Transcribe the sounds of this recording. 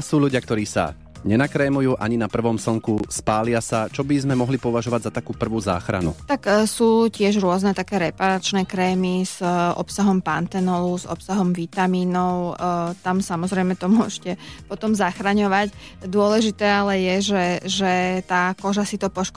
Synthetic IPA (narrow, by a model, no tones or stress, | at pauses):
suːʎuɟɪak̚t̪ɔɾiːsa̰ | ɲɛnakɾɛːmujuːʔaɲinapr̩ʋɔmsl̩ŋkuspaːlɪasat͡ʃɔbizmɛmɔɦlipɔʋaʒɔʋaɟzat̪akuːpr̩ʋuːza̰ːxɾa̰nṵt̪aksuːcɪɛʒɾʊɔznɛt̪akɛːɾɛpaɾat͡ʃnɛːkɾɛːmiz̥ɔ̰psaɦɔmpant̪ɛnɔluzɔ̰psaɦɔmʋit̪amiːnɔʊt̪amsamɔzɾɛɪmɛt̪ɔmuʊɔʒcɛpɔt̪ɔmzaxɾaɲɔʋac | d̪ʊɔlɛʒit̪ɛːalɛjɛʒɛʒɛt̪aːkɔʒasit̪ɔpɔʃk